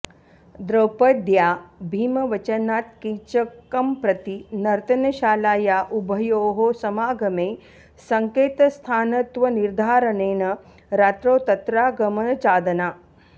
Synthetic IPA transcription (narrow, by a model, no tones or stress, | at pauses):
d̪ɾɐwpɐd̪jaːbʱiːmɐʋɐt͡ʃɐnaːt̪̚kit͡ʃɐkɐmpɾɐt̪inɐɾt̪ɐnɐʃaːlaːjaːʔubʱɐjoːɦosɐmaːɡʱɐmeː | sɐŋkeːt̪ɐst̪ʰaːnɐt̪ʋɐniɾd̪ʱaːɾɐneːnɐ | ɾaːt̪ɾoːt̪ɐt̪ɾaːɡɐmɐnɐt͡ʃaːd̪ɐnaː